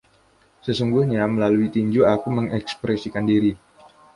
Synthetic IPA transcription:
səsuŋɡuhɲaməlaluit̪iɲd͡ʒuakuməŋɛkspɾɛsikandiɾi

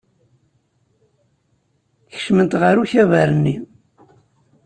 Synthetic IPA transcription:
θə̥ʃmənt̪ʁəɾuçævəɾənːi

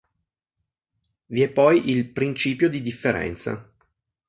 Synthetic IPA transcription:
viɛpːɔjʔilpɾint͡ʃiːpjod̪id̪ifːeɾɛ̰nt̪sa̰

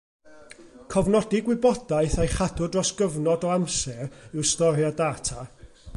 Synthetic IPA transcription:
kʰɔvnɔdɪɡwɪbɔd̥ajθajχadʊdrɔsɡ̥əvnɔdɔamsɛrɪwstɔɾjadaːtʰa

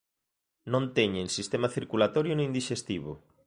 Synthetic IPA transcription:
nõnt̪eɲẽnsist̪emaθiɾkulat̪oɾjʊnĩnd̪iʃest̪iβʊ̰

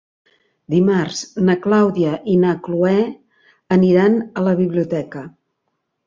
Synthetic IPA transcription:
d̪imarznəklawðiəʔinakluɛ | əniɾanələβiβliut̪ɛkə

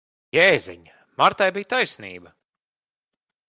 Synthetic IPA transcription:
jɛːzɛ̰ɲ | maɾt̪ajbijt̪ajsnḭːbɐ

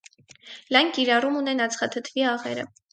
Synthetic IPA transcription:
lɑnkiɾɑrumunɛnɑt͡sʰχɑt̪ʰət̪ʰviɑʁɛ̰ɾə̰

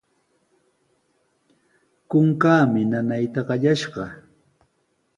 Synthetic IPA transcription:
kʊŋkaːmɪnanajt̪aɢɑʎaʃɢɑ

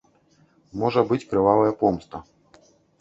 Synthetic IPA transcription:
mɔʐɐbɨt͡sʲkɾɨvalˠɐjɐpɔmst̪ɐ

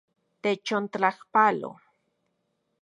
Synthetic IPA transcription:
t̪et͡ʃont̪lahpalo̰

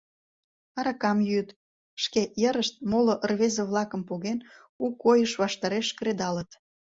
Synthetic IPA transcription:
ɑɾɑkɑmjyt̪ | ʃkejəɾəʃt̪̚moloʔərβezeβlɑkə̆mpoɣen | ukːojəʃβɑʃt̪ɑɾeʃkɾed̪ɑlət̪

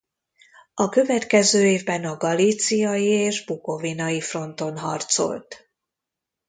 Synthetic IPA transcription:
ɒkø̞vɛt̪kɛzøːeːvbɛnɒɡɒliːt̪sijɒjieːʒbuko̞vinɒjifro̞nt̪o̞nɦɒ̰rt̪so̞̰lt̪

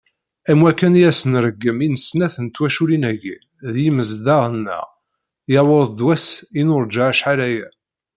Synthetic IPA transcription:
æmwækːænjæsənɾəɡːəminəsnæθənt̪ːwæʃuɾinæʝi | ðjiməzd̪ɑʁənːə̰ʁ | jɑwʊðˤd̪wæsinʊɾˤd͡ʒaʕʃħalæjæ

